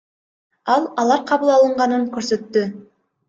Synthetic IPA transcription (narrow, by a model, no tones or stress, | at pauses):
ɑlˠɑlˠɑɾqʰɑβɯlˠɑlˠɯɴʁɑnɯŋkɵɾsø̞t̪ːy